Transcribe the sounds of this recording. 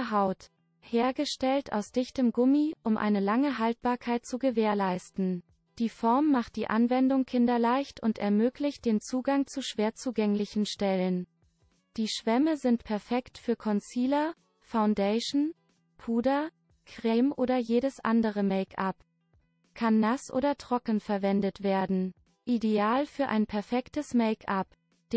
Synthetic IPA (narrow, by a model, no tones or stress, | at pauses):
ɦaʊt | heːɐɡəʃtɛlta̰ʊsd̥ɪçtəmɡʊmiʔʊmʔa̰ɪnəlaŋəɦalt̚b̥aːɐkʰaɪt̚t͡suɡəveːɐlaɪstn̩ | d̥iːfɔɐmːaχt̚d̥iːʔanvɛndʊŋkʰɪndɐlaɪçtʊntʔɛɐmøːklɪçt̚d̥eːnt͡suːɡaŋt͡suʃv̥eːɐt͡suːɡɛŋlɪçn̩ʃtɛlən | d̥iːʃv̥ɛməzɪntpʰɛɐfɛktfyːɐkʰɔnt͡siːlɐ | faʊndeɪʃn̩ | pʰuːdɐ | kʁ̥eːmʔoːdɐjeːɾəsʔa̰ndəʁəmɛɪkʰʔap | kʰanːasʔo̰ːdɐtʁ̥ɔkn̩fɛɐvɛndətv̥eːɐdn̩ | ʔideaːlfyːɐʔa̰ɪnpʰɛɐfɛktəsmɛɪkʰʔap | d̥